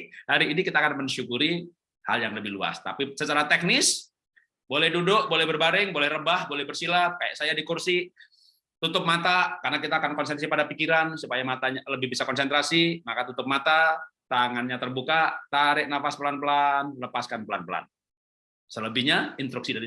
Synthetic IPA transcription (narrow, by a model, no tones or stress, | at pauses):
haɾiːnikit̪aːkanməɲʃukuɾi | ha̰ljaŋləbɪhlua̰st̪a̰pisət͡ʃaɾat̪ɛk̚nɪs | bolɛhdudʊʔbolɛhbərbaɾɪŋbolɛhrəbahbolɛhbərsilap̚kajaʔsajadikursi | t̪ut̪ʊp̚mat̪akarnakit̪aːkankɔnsɛnasipadapikiɾansupajamat̪aɲaləbɪhbisakɔnsɛnt̪ɾasimakat̪ut̪ʊp̚mat̪at̪aŋanɲat̪ərbukat̪aɾɪʔnafaspəlanpəlanləpaskanpəlanpəla̰n | sələbɪhɲaint̪ɾuksidaɾi